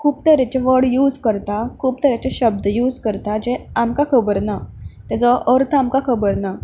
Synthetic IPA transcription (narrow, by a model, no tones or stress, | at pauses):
kʰuːp̚t̪əɾet͡ɕeʋəɽjuːd͡zkəɾt̪akʰuːp̚t̪əɾat͡ɕaɕəb̚d̪əjuːd͡zkəɾt̪ad͡ʑeamkakʰəbəɾnat̪jat͡sɔʔəɾt̪ʰamkakʰəbəɾna